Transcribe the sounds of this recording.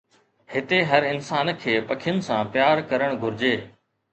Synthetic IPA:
hɪt̪eɦɐɾɪnsaːnkʰeːpɐkʰɪjʊnɪ̆sãːpjaːɾkɐɾəɽ̃ɡʱʊɾd͡ʑeː

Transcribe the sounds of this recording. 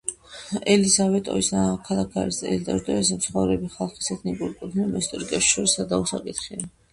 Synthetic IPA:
ɛlisavɛt̪ʼɔ̰isakʰalˠakʰa̰ɾisɛ̰ld̪ʼaʒd̪ɔɛs̬mt̪sʰχɔvɾɛbiχalˠχi̥sɛt̪ʰnikʼuɾikʼut̪ʰnimɛst̪ʼɾikʼɛʃʃɔɾisad̪ausa̰kʼit̪ʰχia

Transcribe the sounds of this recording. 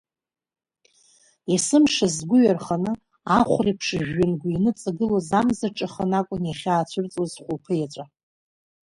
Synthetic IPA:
jasɨmʂazɡʷʊɥarχanɨ | aχʷripʰʂʒᶣːʏnɡʷainɨt͡sʼaɡɨlozamzaʈ͡ʂʼaχanakʷʼʊnjaχʲaːt͡ɕʷʰʊrt͡sʼozχʷʊlpʰɨjat͡ʃʷʼa

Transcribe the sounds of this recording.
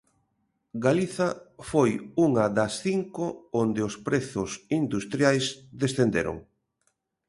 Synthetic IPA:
ɡaliθɐfojuŋɐðɐsθiŋkoond̪eospɾeθʊsind̪ust̪ɾjajsðesθend̪ḛɾo̰ŋ

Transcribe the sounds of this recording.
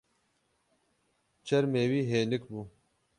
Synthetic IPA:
t͡ʃɐɾmeːwiːɦeːnikbu

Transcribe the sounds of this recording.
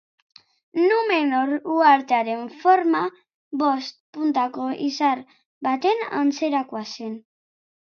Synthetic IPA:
numenoɾuaɾt̪eaɾe̞ɱfoɾma | βo̞st̪̚punt̪akoʔḭsaɾ | bat̪e̞na̰nt͡seɾakuasen

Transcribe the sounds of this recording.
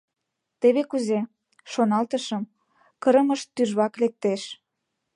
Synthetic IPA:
t̪eβekuze | ʃonɑlt̪əʃə̆m | kəɾəməʃt̪ːyʒβɑklek̚t̪eʃ

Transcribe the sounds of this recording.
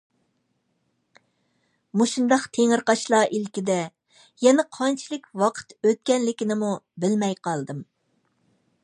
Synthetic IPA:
muʃund̪ɑqt̪ʰeŋɨɾqɑʃlˠɑːʔilkʲid̪ɛ | jɛnɛqʰɑnt͡ʃʰilˠɨkʲwɑqʰə̥t̪øt̪̚kʲɛnlɪkʲɪnɪmubɪlmɛjqʰɑlˠd̪ɨm

